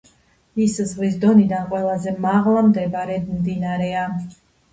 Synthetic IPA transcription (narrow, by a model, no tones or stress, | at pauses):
iszʁvis̬d̪ɔnid̪anqʼwɛlˠazɛmaʁlˠamd̪ɛbɾɛmd̪inaɾɛa